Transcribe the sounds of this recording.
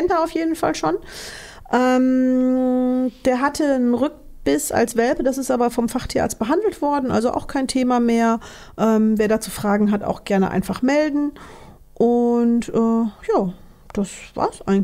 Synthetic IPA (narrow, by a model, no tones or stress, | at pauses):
ɛntaaʊfjeːdn̩fa̰lʃoːn | ʔɛːm | d̥eːɐɦatʰənʁʏk̚ | b̥ɪsa̰lsv̥ɛlpədasɪstʔaːbɐfɔmfaχtʰiːʔa̰ːt͡stb̥əɦandl̩tv̥ɔɐdn̩ʔa̰lzoʔa̰ʊxkʰaɪntʰeːmameːɐ | ʔɛːmveːɐdaːt͡suːfʁ̥aːɡŋ̩ɦata̰ʊxɡ̥ɛɐnə̰ʔa̰ɪnfaχmɛldn̩ | ʔʊntʔɛːjaː | d̥asv̥a̰ːɐsʔaɪɡŋ̩